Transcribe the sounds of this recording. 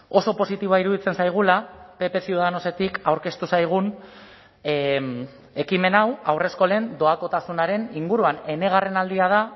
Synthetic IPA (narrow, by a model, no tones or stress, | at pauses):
o̞so̞po̞sit̪iβoaiɾuðit͡se̞nsajɣ̞ulape̞pe̞siuðano̞se̞t̪ikawɾke̞st̪usajɣ̞un | e̞kime̞nawawre̞sko̞le̞nd̪o̞ako̞t̪asunaɾe̞niŋɡuɾuane̞ne̞ɣ̞are̞nald̪iað̞a